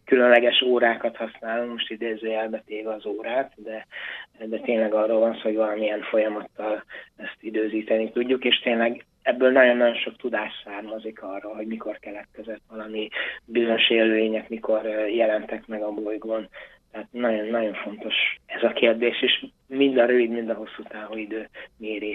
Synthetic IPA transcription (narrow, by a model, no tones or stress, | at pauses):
kylønlɛɡɛʃoːɾaːkɒt̪hɒsnaːloŋmo̞ʃt̪id̪eːzøːɛlbɛt̪eːvɛɒzoːɾaːt̪d̪ɛd̪ɛt̪eːnlɛɡɒroːlvɒnsːhoɟvɒlɒmiɛɱfo̞jɒmɒt̪ːɒlɛst̪id̪øːziːt̪ɛnit̪uɟːukeːʃt̪eːnlɛɡ | ɛbːøːlnɒɟo̞nːɒjo̞nʃo̞kt̪ud̪aːʃsaːrmɒzikʰɒrːɒɦo̞ɟmiko̞rkɛlɛt̪̚kɛzɛt̪ʋɒlɒmibizoɲo̞ʃeːlveːɲɛkmiko̞rjɛlɛnt̪ɛkmɛɡɒbojɡoːn | t̪ɛɦat̪nɒɟo̞nːɒɟo̞ɱfo̞nt̪o̞ʃɛzɒkeːrd̪eːʃeːʃ | mind̪ɒɾøvid̪mind̪ɒɦo̞sːuːt̪aːvuːid̪øːmeːɾeː